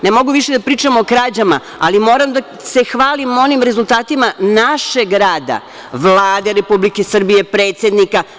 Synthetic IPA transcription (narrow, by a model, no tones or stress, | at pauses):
nemo̞ɡuʋiʃed̪apɾiːt͡ʂamoːkɾaːd͡ʑama̰ | alimo̞ːɾamd̪a | se̞xʋaːlimo̞nimɾezulˠt̪aːt̪imanaʃe̞ɡɾaːd̪a̰ | ʋlˠaːd̪eɾe̞publikesr̩bije̞pɾeːt̪sje̞d̪nika